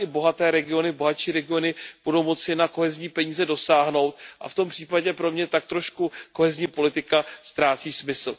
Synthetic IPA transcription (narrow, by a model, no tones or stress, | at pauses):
ɪbo̞ɦat̪ɛːɾɛɡɪo̞nɪbo̞ɦatt͡ʃiːɾɛɡɪo̞nɪb̥udo̞wmo̞t͡sɪnako̞ɦɛzɲiːpɛɲiːzɛdo̞saːɦno̞wt̪ʔa̰ft̪o̞mpr̥iːpaɟɛpɾo̞mɲɛt̪ak̚t̪ɾo̞ʃkuko̞ɦɛzɲiːpo̞lɪt̪ɪkast̪ɾaːt͡siːsmɪsl̩